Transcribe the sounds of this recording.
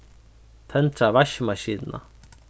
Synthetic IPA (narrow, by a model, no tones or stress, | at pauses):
t̪ʰənʈ͡ʂaβaʃmaʃid̪na̰